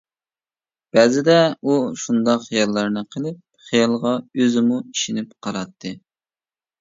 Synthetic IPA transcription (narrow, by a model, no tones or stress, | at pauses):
b̥ɛzɪd̪ɛuʃund̪ɑqχijɑlˠːɑɾnɨqʰəlˠɪp̚ | χijɑlˠʁɑøzɪmuiʃinɪp̚qʰɑɾɑt̪ʰːɨ